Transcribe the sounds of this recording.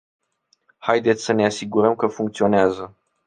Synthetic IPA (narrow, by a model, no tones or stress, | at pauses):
hajd̪e̞t̪sʲsəne̞asiɡuɾəmkəfuŋkt̪sio̞neazə